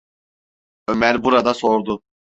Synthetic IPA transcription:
ømæɾbuɾad̪asoɾd̪ʊ

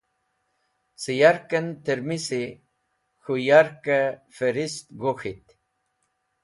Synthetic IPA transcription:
sijaɾkɐnt̪eɾmisi | xujaɾkafeɾist̪ɡoxit̪

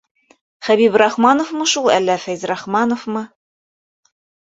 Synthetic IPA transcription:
χæβibɾɑχmɑnofmɤʃulˠælːæfæjzrɑχmɑnofmɤ

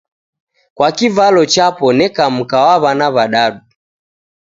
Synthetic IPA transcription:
kwakivalɔt͡ʃapɔnɛkam̩kawaβanaβaɗaɗu

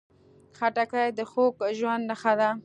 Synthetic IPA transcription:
xaʈakajd̪əxokʒwand̪nəxad̪a

